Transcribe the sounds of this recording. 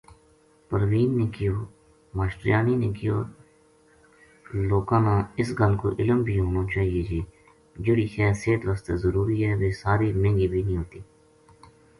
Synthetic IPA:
pəɾʋiːnːeːkɪjoː | maːʃʈɾɪjaːniːneːkɪjo̰ː | loːkãːnãːɪsɡəlko̰ːʔɪləmbʱiːɦõːnoːt͡ʃaːɦieːd͡ʒeː | d͡ʒʊɽiːkɛːseːt̪ʋəːst̪eːzəɾuːɾiːɦɛːʋeːsaːɾiːmẽːŋɡiːbʱiːnĩːɦoːt̪iː

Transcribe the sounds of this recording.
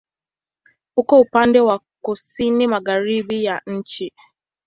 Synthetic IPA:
ʊkɔupan̩dewa | kʊsinɪmaɡaɾibijan̩t͡ʃi

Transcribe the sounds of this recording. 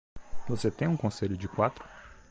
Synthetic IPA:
voset̪ẽj̃ũkõseʎʊd͡ʒɪkwat̪ɾʊ̥

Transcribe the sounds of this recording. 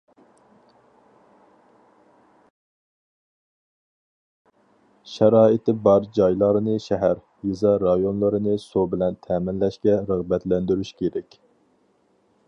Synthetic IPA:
ʃɛɾɑːit̪ɪbɑɾd͡ʒɑjlˠɑɾɨnɨʃɛɦæɾ | jizɑɾɑjonlˠɨɾɨnɨsobɪlɛnt̪ʰɛːmɪnlɛʃkʲɛɾəʁbɛt̪lɛnd̪yɾyʃkʲʰeɾɛkʲ

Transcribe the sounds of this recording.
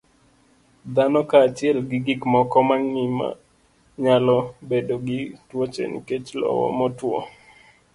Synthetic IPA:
d̪anɔkaːt͡ʃɪɛlɡɪɡikmɔkɔmaŋnima̰ | ɲalɔbedoɡɪtwot͡ʃḛnḭket͡ʃlɔ̰wɔ̰mɔtwɔ̰

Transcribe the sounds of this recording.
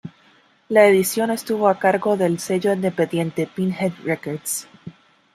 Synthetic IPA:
laeðisjo̞ne̞st̪uβo̞akaɾɣo̞ðe̞lse̞ʝo̞ind̪epeðje̞nt̪e̞pinhed̪rekoɾd̪s

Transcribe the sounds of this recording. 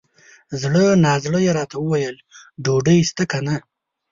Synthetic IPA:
zɽənɑːzɽəjeɾɑt̪awəwajəl | ɖoɖəjst̪akana

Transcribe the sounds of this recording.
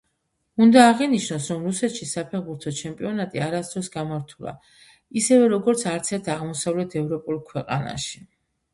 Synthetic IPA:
und̪aːʁɛniʃnɔsɾɔmɾusɛt̪ʃisapʰɛɾbuɾt̪ʰɔt͡ʃʰɛmpʼiɔnat̪ʼiaɾasd̪ɾɔsɡamaɾt̪ʰulˠa̰ | isɛvɛɾɔɡɔɾt̪sʰaɾt̪sʰɛɾt̪ʰaʁmɔsavlɛt̪ʰɛvɾɔpʼulˠkʰwɛqʼa̰na̰ʃi̥

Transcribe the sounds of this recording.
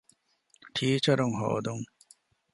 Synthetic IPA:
ʈʰiːt͡ʃɐɾuŋɦo̰ːd̪uŋ

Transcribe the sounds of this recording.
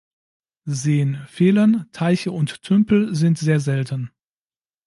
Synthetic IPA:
zeːənfeːləntʰaɪçəʊntːʰʏmpl̩zɪntz̥eːɐzɛltən̩

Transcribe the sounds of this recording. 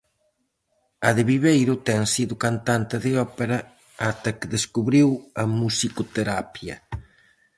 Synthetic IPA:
ɐðɪβiβejɾʊt̪ɛŋsiðʊkant̪ant̪ɪðɪɔpeɾɐ | at̪ɐkɪðeskuβɾiwɐmusikot̪eɾapjɐ̰

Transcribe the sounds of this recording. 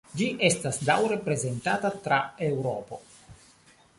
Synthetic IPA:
d͡ʒiʔe̞stasdawɾe̞pɾe̞ze̞ntatatɾae̞wɾopo̞

